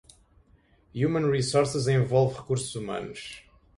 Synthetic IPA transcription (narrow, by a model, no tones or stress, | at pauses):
jumɐ̃nʁisoɾsɨzẽvɔlˠvʁɨkuɾsuzumɐ̰̃nuʃ